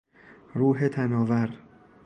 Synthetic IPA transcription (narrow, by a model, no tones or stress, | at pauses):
ɾuːɦet̪ʰænɒːvæɾ